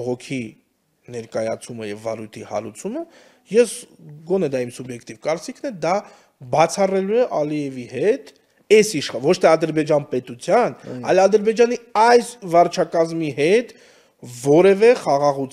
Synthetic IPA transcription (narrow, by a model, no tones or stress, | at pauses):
ɔʁɔkʰi | nɛɾkɑjɑt͡sʰuməjɛvːɑɾujt̪ʰihɑ̰ɾut͡sʰumə | jɛsɡɔnɛd̪ɑimsubjɛkʰt̪ivkɑɾt͡sikʰnɛd̪ɑ | bɑt͡sʰɑrɛluɛʔɑliɛvihɛt̪ | ɛsiʃχvɔt͡ʃʰt̪ʰɛɑd̪əɾbɛd͡ʒɑnpɛt̪ut͡sʰjɑnɑ̰jlɑd̪əɾbɛd͡ʒɑniɑjsvɑrt͡ʃʰɑkɑzmiɦɛt̪ | vɔɾɛvɛχɑʁɑʁut͡s